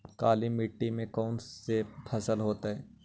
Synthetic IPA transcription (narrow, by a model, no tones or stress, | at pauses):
kaːlimɪʈːimẽkɔːnepʰɐsəlɦoːt̪aɦɛː